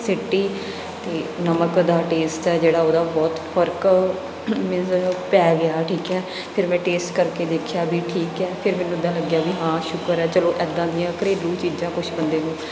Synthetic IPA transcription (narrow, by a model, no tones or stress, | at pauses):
sɪʈːiː | t̪eːnəməkd̪aːʈeːsʈɛːd͡ʒeːɽaːoːd̪aːbɔːt̪pʰəɾk | mɪpɛːɡɪjaːʈʰiːkɛː | pʰɪɾmɛ̃ːʈeːsʈkəɾkeːd̪eːkʰjaːbʱiːʈʰiːkɛːpʰɪɾmɛ̃ːnːũːɪd̪ːãːləɡjaːbiːɦãːʃʊkəɾɛːt͡ʃəlõːʔɛːd̪ːãːd̪ɪjãːkəɾeːlũːt͡ʃiːd͡ʒãːkʊʃʰbənd̪eːnũː